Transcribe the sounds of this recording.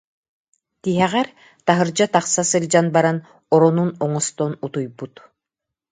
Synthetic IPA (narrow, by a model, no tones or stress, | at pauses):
t̪iɦɛʁɛɾ | t̪aɦɯɾd͡ʑat̪aχsasɯlʲd͡ʑanbaɾan | ɔɾɔnunɔŋɔst̪ɔnut̪ujbut̪